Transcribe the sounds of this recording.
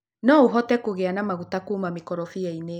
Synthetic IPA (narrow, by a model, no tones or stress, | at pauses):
nɔuɦɔtɛkoɣɛanamaɣutakoːmamekɔɾɔfiɛine